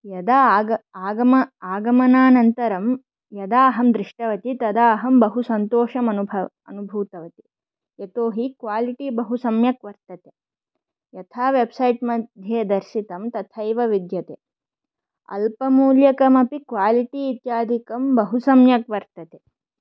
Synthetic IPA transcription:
jɐd̪aɐaːɡɐmɐaːɡɐmɐnaːnɐnt̪ɐɾɐm | jɐd̪aːɦɐmd̪ɾiʂʈɐʋɐt̪it̪ɐd̪aːɦɐmbɐɦusɐnt̪oːʂɐmɐnubʱɐ | ɐnubʱuːt̪ɐʋɐt̪i̥ | jet̪oːɦikʋaːliʈibɐɦusɐmjɐkʋɐɾt̪ɐt̪e | jɐt̪ʰaːʋebsɐjʈmɐd̪ʱjeːd̪ɐɾʃit̪ɐmt̪ɐt̪ʰɐjʋɐʋid̪jɐt̪e | ɐ̰lpɐmuːljɐkɐmɐpikʋaːliʈiːt̪jaːd̪ʱikɐmbɐɦusɐmjɐkʋɐɾt̪ɐt̪e

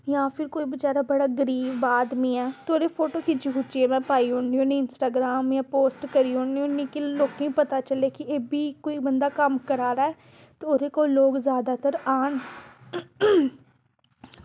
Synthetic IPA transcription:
jãːpʰɪɾkoːiːbət͡ʃaːɾaːbəɽaːɡəɾiːʋaːd̪miːɛːt̪oːɾeːpʰoːʈoːkid͡ʒikut͡ʃieːmɛ̃ːpaːiːɦõːɳiõːniːɪnsʈaːɡɾaːmjãːpoːsʈkəɾiːõːɳiõːnĩːkiloːkĩːpət̪aːt͡ʃəleːkɪeːbʱiːkoːiːbənd̪aːkəmkəɾaːɾaːɛː | t̪eoːɾeːkoːloːɡzjaːd̪aːt̪əɾaːn

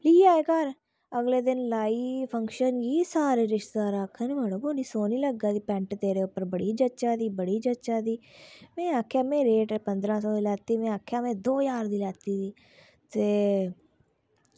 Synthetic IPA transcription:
liːaːekəɾ | əɡleːd̪ɪnlaːiːpʰəŋkʃənɡiːsaːɾeːɾɪʃt̪d̪aːɾaːkʰːaːneməɽõːboːniːsoːniːləɡːaːd̪iːpɛ̃ɳʈt̪eːɾeːʊpːəɾbəɽiːd͡ʒətːʃaːd̪iːbəɽiːd͡ʒəʃaːd̪iːmɛ̃ːaːkʰːjaːmẽːɾeːʈːpənd̪ɾãːsɔːiːlɛːt̪iːmɛ̃ːaːkʰːjaːmɛ̃ːd̪oːjaːɾd̪iːlɛːt̪iːd̪iː | t̪eː

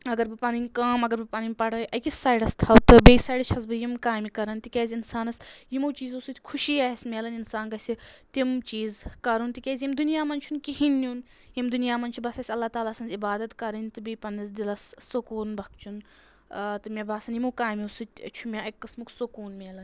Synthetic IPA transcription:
ɐɡɐɾbɨpɐninʲkaːmɐɡɐɾbɨpaːninʲpɐɽɐʔɐkʲisaːjɽɐst̪ʰɐwt̪ɨbeːsaːiɖɐt͡ʃʰɐsbɨjimkaːjmikɐɾɐnt̪ikʲeːzʲinsaːnɐsjimuːt͡ʃiːzusɨt̪ʲkʰuʃiːaːɦismʲeːlɐninsaːnkɐsit̪imt͡ʃiːzkɐɾunt̪ikʲeːzʲjimd̪unijaːmɐnt͡ʃʰunkiɦinːun | jimd̪unjaːmɐnt͡ʃʰubɐsɐsʲɐlːaːt̪aːlaːsɐnzibaːd̪ɐt̪kɐɾɨnʲt̪ɨbeːpɐnɐsd̪ilɐsːokoːnbɐk̚t͡ʃʰun | t̪ɨmʲebʱaːsɐnjimukaːjmiusɨt̪ʲt͡ʃʰumʲeɐkːɨsmuksokuːnmʲeːlɐn

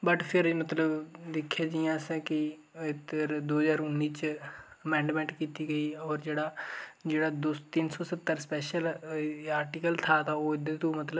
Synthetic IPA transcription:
bəʈpʰɪɾmət̪ləbd̪ɪkʰːaːd͡ʒijãːsɛ̃ːkɪ | ɪt̪ːəɾd̪oːəzaːɾʊnːiːt͡ʃ | əmɛ̃ːɳɖmɛ̃ːɳʈkiːt̪iːɡəiːɔːɾd͡ʒeːɽaːd͡ʒeːɽaːd̪ot̪ɪnsɔːsət̪ːəɾspɛːʃəlaːɾʈiːkəlt̪ʰaːt̪ʰaoːɪd̪et̪õːmət̪lə

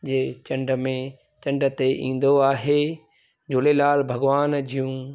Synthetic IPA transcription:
d͡ʑeːt͡ɕɐ̃ɳɖʱə̆mẽ | t͡ɕɐ̃ɳɖət̪eʔḭ̃ːn̆d̪oaːɦeː | d͡ʑʊlelaːlbʱɐɡʋaːnd͡ʑʱijũː

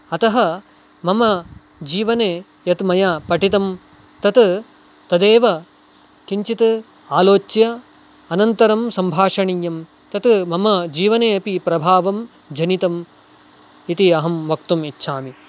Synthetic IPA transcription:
ɐt̪ɐɦɐ | mɐmɐ | d͡ʒiːʋɐneː | jɐt̪mɐjapɐʈit̪ɐm | t̪ɐt̪ | t̪ɐd̪eːʋɐ | kiɲt͡ʃit̪ɨ | aːloːt͡ʃjɐː | nɐnt̪ɐɾɐmsɐmbʱaːʂɐɳiːjɐm | t̪ɐt̪mɐmɐd͡ʒiːʋɐneːɐpipɾɐbʱaːʋɐm | d͡ʒʱɐnit̪ɐm | it̪iɐɦɐmʋɐk̚t̪umitːʃʰaːmi

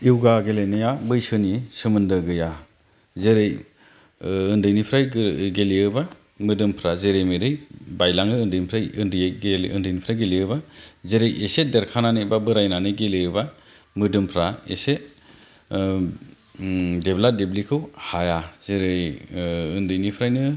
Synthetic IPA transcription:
iwɡaɡelejnajabɯjsɯnisɯmɯndɯɡɯja | zeɾej | ɯndɯjnipʰɾajɡeliɯba | mɯdɯmpʰɾazeɾejmɯɾɯjbajlaŋɯːndɯjnipʰɾajɯndɯjejɡeɯndɯjnipʰɾajɡeliɯbazeɾejʔesedeɾkʰananɯbabɯɾajnanɯɡeleɯba | mɯdɯmpʰɾaeset | debladeblikʰɯwhajaz̥eɾɯjɯndɯjnipʰɾajnɯ

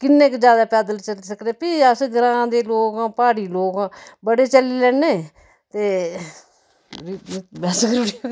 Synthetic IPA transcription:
kɪnːẽːkd͡ʒjaːd̪aːpɛːd̪əlt͡ʃəliːsəkneːpiasɡəɾãːd̪eːloːɡãːpaːɽiːloːɡãːbəɽeːt͡ʃəliːlɛːneː | t̪eː | ibaːsɡəɾɽi

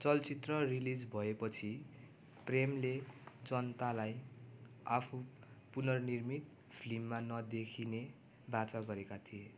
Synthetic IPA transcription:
t͡sʌlt͡sit̪rʌrilid͡zbʱʌepʌt͡sʰi | premled͡zʌnt̪alaj | apʰu | punʌrnirmit̪ | pʰlimːanʌd̪ekʰine | bat͡saɡʌɾekat̪ʰije

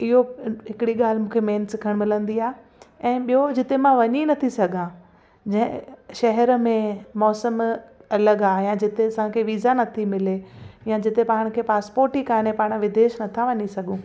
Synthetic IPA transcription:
ɪɦoɦɪkɪɽiɠaːl̤mũːkʰemeːnsɪkʰəɽ̃mɪlə̃nd̪iaːɦe | ɛ̃ːɓijod͡ʑɪt̪emãʋɐɲinɐt̪ʰisɐɡʱã | d͡ʑɐ̃ɦɪ̰̃ʃɐɦɛɾəmẽmɔːsəmɐləɡaːjãd͡ʑɪt̪eɐsãkʰeːʋiːzanɐt̪ʰimɪlejãd͡ʑɪt̪epaːɽ̃kʰeːpaːspoːɾʈikaːnepaːɽ̃ʋɪd̪eːʃnɐt̪ʰaʋɐɲisɐɡũː

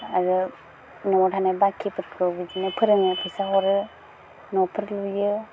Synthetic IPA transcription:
aɾɯ | nɔɔɾʰanabakʰipʰɯɾkʰɔbid͡ʒinepʰɯɾɯŋɯpʰɯsaɦɔɾɯ | nɔpʰɯɾlujɯ

